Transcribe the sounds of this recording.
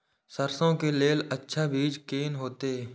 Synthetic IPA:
səɾsõkeleːlətːʃʰabʱiːd͡ʒkeːnɦoːt̪eː

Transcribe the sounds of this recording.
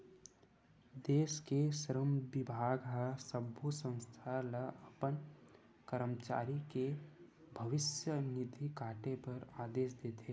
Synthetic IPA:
d̪eːskesəɾəmbɪbʱaːɡɦasəbʱusə̃ŋ̃st̪ʰalaəpən | kəɾəmt͡ʃa̰ːɾike | bʱəʋɪsjənɪd̪ʱikaːʈepɐɾaːd̪eːʃd̪eːt̪ʰe

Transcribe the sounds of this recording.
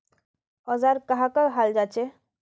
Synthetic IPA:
ɔzaːɾkɐɦãkaɦald͡ʒaːt͡ʃe

